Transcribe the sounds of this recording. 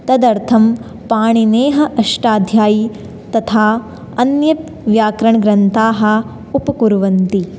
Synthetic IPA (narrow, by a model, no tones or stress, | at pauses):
t̪ɐd̪ɐɾt̪ʰɐm | paːɳineːɦɐʔɐʂʈaːd̪ʱjaːji | t̪ɐt̪ʰaː | ɐnjɐp̪ | ʋjaːkɾɐɳɐɡɾɐnt̪aːɦɐ̆ | upɐkuɾʋɐnt̪i